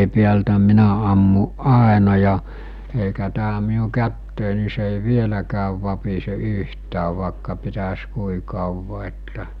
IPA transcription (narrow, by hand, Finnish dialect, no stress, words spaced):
piæltæ minæ ɑmːuʔ ʔɑˑenɑ jɑ eikæ tæː miu kætːeˑi ni se ei ʋielækæːʋ ʋɑpise yhtæːʋˑ ʋɑˑekːɑ pitæs kui kɑˑuʋɑ etːæ